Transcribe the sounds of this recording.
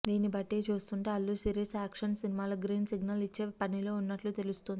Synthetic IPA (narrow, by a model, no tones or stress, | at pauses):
d̪iːnibɐʈːeːt͡ʃuːst̪uɳʈeːɐlːusiːɾisaːkʂɐnsinimaːlɐɡɾiːnsiɡnɐlit͡ʃːe̞ːpɐnilo̞ːunːɐʈlut̪e̞lust̪und̪i